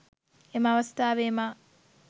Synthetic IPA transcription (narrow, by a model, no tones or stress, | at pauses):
emaʋɐst̪aːʋeːma